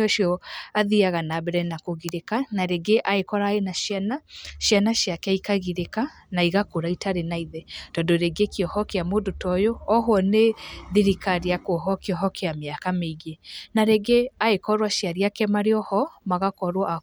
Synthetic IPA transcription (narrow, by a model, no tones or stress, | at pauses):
ɔʃiɔaðiaɣanabɛɾɛnakoɣiɾekanaɾeɡeʔaekɔɾaenaʃjanaʃanaʃjakɛikaɣiɾeka | naiɣakoɾaitaɾenaiðɛd̥ɔdoɾeɡekiɔhɔkɛamodotɔjoɔɦwɔneðiɾikaɾiakoɦɔkiɔɦɔkʰeameakameiɣenaɾeɡeaekɔɾwaʃjaɾiakɛmaɾeɔhɔmaɣakɔɾwɔʔa